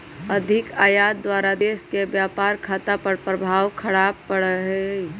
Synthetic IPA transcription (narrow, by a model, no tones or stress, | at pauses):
ɐd̪ʱɪkaːjaːt̪̚d̪waːɾad̪eːskebjaːpaːɾkʰaːt̪apəɾpɾəbʱaːwkʰɐɽaːb̚pəɽɦe